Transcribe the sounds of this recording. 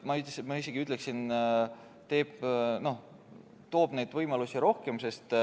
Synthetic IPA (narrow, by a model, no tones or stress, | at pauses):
mɑyt̪ːesmɑis̬e̞ɡ̥iyt̪ːˑle̞ksin | t̪e̞ːb̥no̞h | t̪o̞ːb̥ne̞jd̪̥vɤjmɑlusiɾo̞hke̞mse̞st̪